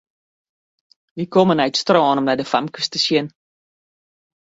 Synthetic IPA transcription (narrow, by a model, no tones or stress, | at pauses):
ʋikomənœɥtstrɑːnɔmdadəfamkəstəsiən